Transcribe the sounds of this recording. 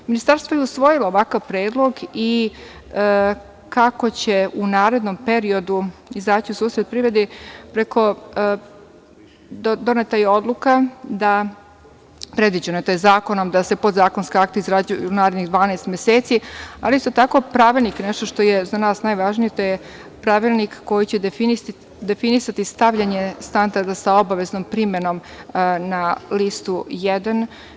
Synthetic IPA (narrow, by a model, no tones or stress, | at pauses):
minist̪aɾst̪ʋojeusʋo̞jilaoʋakaʋpɾeːd̪lˠo̞ɡi | kako̞t͡ɕe̞unaːɾe̞d̪nompe̞ɾio̞d̪uizd̪aːt͡ɕiusuːsɾet̪̚pɾiɾed̪epɾe̞kʰo̞ | d̪d̪o̞net̪ajio̞d̪lˠukad̪a | pɾed̪ʋid͡ʑunot̪ojezaːko̞no̞md̪ase̞pod̪zaːko̞nskeakt̪eizɾad͡ʑujuunaːɾed̪niɣd̪ʋaːnaːst̪mʲjeseːt̪sialiist̪o̞t̪ako̞pɾaʋilˠniknɛʃt̪o̞ʃt̪o̞jezanaːsnajʋaʒnijet̪oje | pɾaʋilˠnikːo̞jit͡ɕef | d̪efinisat̪ist̪aʋʎaɲest̪and̪aɾd̪asao̞baʋe̞znompɾimeno̞mnalist̪ujɛd̪an